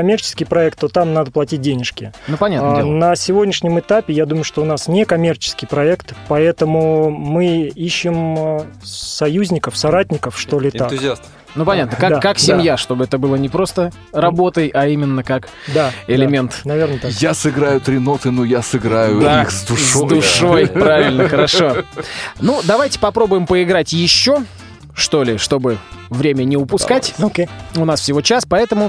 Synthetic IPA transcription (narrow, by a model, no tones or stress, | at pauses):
ɐmʲe̞rt͡ɕɪ̥skʲɪjpɾɐɛk̚t̪ːot̪amnad̪əplˠɐtʲit̚ʲdʲenʲɪʂkʲɪnupɐnʲat̪ndenəsʲɪvo̞dʲnʲɪʂnʲɪmɨt̪apʲɪjad̪uməjʊʂt̪oʊnasnʲekɐmʲe̞rt͡ɕɪ̥skʲɪjpɾɐɛkt̪pɐɛt̪əmʊmɨiɕːɪm | sɐjuzʲnʲɪkəfsɐɾat̚ʲnʲɪkəfʂt̪o̞lʲɪt̪ak̪ | nupɐnʲat̪nəkad̪akːaksdʲɪamjaʂt̪o̞bɨɛt̪əbɨlˠənʲɪpɾo̞st̪ə | rɐbo̞t̪əjɐimʲɪnːəkak | d̪aɪlʲɪmʲe̞nt̪nɐvʲernət̪ajasɨɡɾajʊt̪ɾʲɪno̞t̪ɨnujasɨɡɾajʊaixzd̪ʊʂd̪ʊʂojpɾavʲɪlʲnəxəɾɐʂo̞nud̪ɐvajtʲɪ̥pɐpɾo̞bʊjɪmpəɪɡɾatʲjɪɕːo̞ | ʂt̪o̞lʲɪʂt̪o̞bɨvɾʲemʲənʲɪʊpʊskkatʲokʲeʊnasfsʲɪvo̞t͡ɕaspɐɛt̪əmʊ